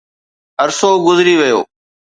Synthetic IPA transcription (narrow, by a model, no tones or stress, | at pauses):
ɦəɾsoːɡʊzɾiːʋɪjo̰ː